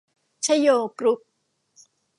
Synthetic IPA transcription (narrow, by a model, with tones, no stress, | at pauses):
t͡ɕʰa˦˥joː˧kɾu˦˥k̚